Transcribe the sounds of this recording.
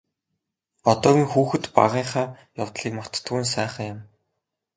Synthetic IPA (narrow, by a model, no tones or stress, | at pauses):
ɔt̪ɔːɣʲiːŋxuːxɘ̆t̪pa̰ʁiːɴχaː | jʊwt̪ɮiːkmɔr̥t̪t̪ɣɘːns̬æːχə̆ŋjʊ̆m